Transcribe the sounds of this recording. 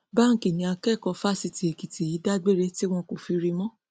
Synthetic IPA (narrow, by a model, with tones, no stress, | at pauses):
ba˦ŋ̩˦ki˨nĩ˧a˧kɛ˦˨kɔ̃˧fa˦˨si˧ti˨e˨ki˨ti˨ji˨˦da˦ɡ͡be˦˨ɾe˦ti˦w̃ɔ̃˧ko˨fi˧ɾi˧mɔ̃˦